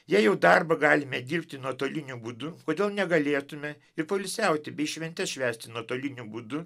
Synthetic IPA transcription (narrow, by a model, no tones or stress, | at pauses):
jæjɛʊd̪ɑrbɐɡɑːlʲɪmʲɛd̪ʲiːrʲpʲt̪ʲɪnuɔt̪oːlʲɪnʲubuːd̪ʊkoːd̪ʲeːlˠnʲɛɡɐlʲeːt̪ʊmʲɛ | ɪɾpɐlʲɪsʲɛˑʊt̪ʲɪbʲɛɪʃʲʋʲɛnʲt̪ʲɛsʃʲʋʲæːsʲt̪ʲɪnuɔt̪oːlʲɪnʲubud̪ʊ